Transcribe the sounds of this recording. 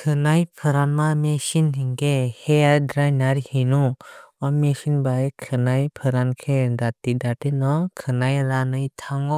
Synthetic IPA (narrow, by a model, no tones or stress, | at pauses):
kʰɯnajpʰɯɾanmamesinɦiŋɡeheadɾajnaɾihinuɔmesinbajekʰɯnajpʰɯɾankʰedatidatenɔkʰɯnajɾanɯjtʰaŋɔ